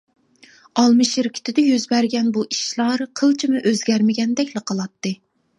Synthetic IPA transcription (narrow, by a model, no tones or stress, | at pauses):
ɑlˠmɨʃiɾkʲʰi̥ɪ̥t̪ʰɪd̪ɛjøzbæɾɡʲɛnbuʔi̥ʃlˠɑɾqʰəlˠt͡ʃʰimɨʔøzɡʲæɾmɪɡʲɛnd̪ɛkʲlɨqʰɑlˠɑt̪ːɨ